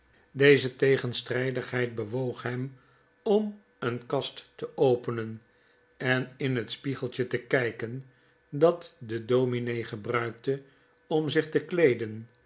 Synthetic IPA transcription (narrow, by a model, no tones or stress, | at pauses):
dejzətejχənstrɛjdəχɦɛjt̚bəʋowχɦɛm | ɔm | ənkɑstːəʔowpənən | ɛnɪnɦətspiχəlˠtətəkɛjkən | dɑtdədowminejχəbrœɥk̚tə | ɔmzɪχtəklejdən